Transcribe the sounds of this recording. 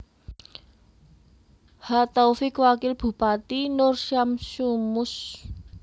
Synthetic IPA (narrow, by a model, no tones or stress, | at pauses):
hat̪ɔwfɪkwakɪlb̥ṳpat̪inʊrsamsumʊs